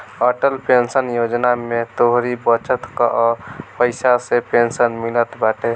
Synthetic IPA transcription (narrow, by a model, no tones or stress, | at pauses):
əʈəlpensənjod͡ʒnamet̪oɦɾibət͡ʃət̪ka̰ʔɔpəɪsasepensənmilət̪baʈe